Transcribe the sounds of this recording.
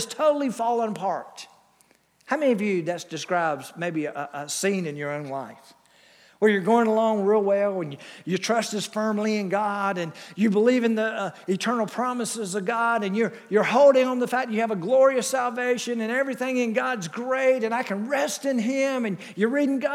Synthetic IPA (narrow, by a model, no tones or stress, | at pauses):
z̥tʰoʊɾl̩ˠifɑlˠə̃npʰɑɹt̚ | haʊmɛniʌvjɨðɨtsd̥ɨskɹaɪbzmeɪbiəʔəsĩnɨ̃njə˞õʊ̃nlaɪf | wə˞jə˞ɡoʊɪ̃ŋəlɔ̃ʊ̃ŋɹilˠwɛlˠə̃njjətʰɹ̥ʌst̚ɨz̥fɜ̃˞mliɨ̃nɡɑɾɨ̃njɨbəlivɨ̃nðiɨtʰɜ̃˞nl̩ˠpʰɹ̥ɑməsɨzʌvɡɑɾɨ̃njə˞ | jə˞hoʊlˠɾɪ̃ŋə̃nðəfæk̚t͡ʃɨːvəɡlɔɹiɨsælˠveɪʃɨ̃nɨ̃nɛvɹiθɪ̃ŋɨ̃nɡɑdzɡɹeɪɾɨ̃naɪkʰɨ̃nɹɛstɨ̃nɪ̃mɨ̃n | jə˞ɹiɾɪ̃ŋɡɑ